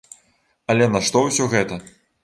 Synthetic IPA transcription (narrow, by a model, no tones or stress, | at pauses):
ɐlʲɛnɐʂt̪ɔwsʲɔɣɛt̪ɐ